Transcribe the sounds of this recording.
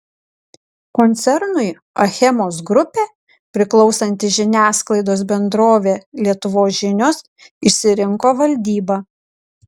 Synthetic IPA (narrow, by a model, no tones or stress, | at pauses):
kɔnʲt̪sʲɛɾnʊɪ | ɐxʲɛmoːsɡɾʊpʲeː | pʲɾʲɪklˠɒʊsɐnʲt̪ʲɪʒʲɪnʲæːsklˠɐɪd̪oːsbʲɛnd̪ɾoːʋʲeːlʲiɛt̪ʊʋoːsʒʲɪnʲoːs | ɪʃsʲɪɾʲɪŋkoːʋɐlʲd̪ʲiːbɑː